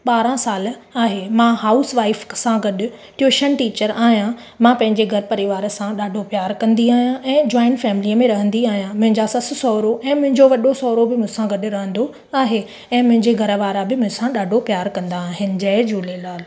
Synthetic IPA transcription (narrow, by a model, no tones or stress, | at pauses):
ɓaːɾãsaːlaːɦemãɦaːʊsʋaːɪfsãɡɐɗʊ̆ | ʈjuːʃənʈiːt͡ɕəɾaːɦijã | mãpɐ̃ɦɪ̃ɲd͡ʑeɡʱɐɾpɐɾɪʋaːɾəsãɗaːɖʱopjaːɾkɐ̃nd̪iaːɦijãʔɛ̃ːd͡ʑɔːɪnfɛːmɪliəmẽɾɐɦə̃nd̪iaːɦijãmʊ̃ɦɪ̃ɲd͡ʑasɐs̆sɔːɾoʔɛ̃ːmʊ̃ɦɪ̃ɲd͡ʑoʋɐɗosɔːɾobɪmʊ̃ɪ̃sãɡɐɗɾɐɦə̃nd̪o | aːɦe | ɛ̃ːmʊ̃ɦɪ̃ɲd͡ʑeɡʱɐɾʋaːɾabɪmʊ̃ɦɪ̃sãɗaːɖʱopjaːɾkɐ̃nd̪aːɦɪnɪ̆d͡ʑɐːɪd͡ʑuːlelaːl